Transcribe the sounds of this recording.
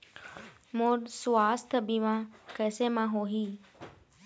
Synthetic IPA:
moːɾsʋaːst̪ʰbiʋãːkɛːsemãːɦoːɦiː

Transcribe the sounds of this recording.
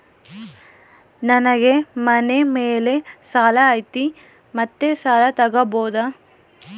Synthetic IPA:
nɐnɐɡe̞mɐnemeːle̞saːlɐːjt̪i | mɐt̪ːesaːlɐt̪ɐɡɐboːd̪ɐ

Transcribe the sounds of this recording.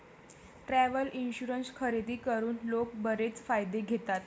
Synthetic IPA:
ʈɾæʋəlinɕuɾənskʰəɾed̪ʱiːkəɾuːnlok̚bəɾet͡sfajd̪eɡʱet̪at̪

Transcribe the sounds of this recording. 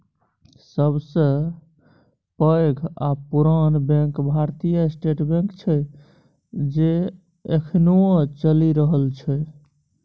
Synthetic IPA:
səbsə̃ | pəɡʱa̰puɾanbɛ̃kbʱaɾt̪ijaesʈeʈbẽŋkt͡ʃʰə | d͡ʒe | ekʰnot͡ʃəliɾəɦəlt͡ʃʰɛ

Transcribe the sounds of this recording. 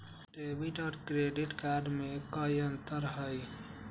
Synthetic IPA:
ʈeːbiʈɔːɾkɾeːɖɪʈkaːɾɖmẽkəːiɐ̃nt̪əɾɦai

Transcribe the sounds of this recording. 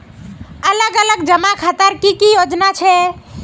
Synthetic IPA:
ələɡələɡd͡ʒəmakʰat̪əɾkikijod͡ʒnat͡ʃʰɛ

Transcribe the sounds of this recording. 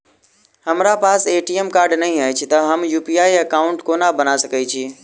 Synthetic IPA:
hɐmɾapaːseːʈiemkaːɾɖnɐɦĩaːɦɪt͡ɕʰɪt̪ɐɦɐmjuːpiaːiɐkaːʊ̃ɳʈkoːnabɐnasɐkit͡ɕʰiː

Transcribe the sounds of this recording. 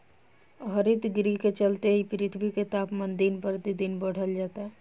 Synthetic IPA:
ɦəɾɪt̪ɡɾiket͡ʃəlt̪eipɪɾɪt̪ʰbʱiket̪aːpmə̃nd̪inpəɾd̪id̪inbəɽ̤əld͡ʒaːt̪aɦɛ

